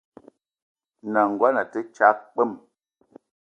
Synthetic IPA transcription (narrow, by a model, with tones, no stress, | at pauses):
na˨ŋ̩˨ɡwa˦na˨tə˦t͡ʃa˨˦k͡pə˦˨m